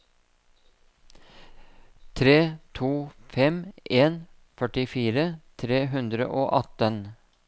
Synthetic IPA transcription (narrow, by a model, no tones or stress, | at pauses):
t̪ʰɾeːt̪ʰuːfɛmʔeːn | fœʈɪfiːɾət̪ʰɾeːɦʉnd̪ɾə̰ʔoːʔɑt̪ən